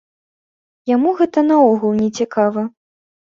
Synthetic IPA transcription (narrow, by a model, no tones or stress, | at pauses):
jamuɣɛt̪ɐnɐɔɣulˠnʲɛt͡sʲikʰavɐ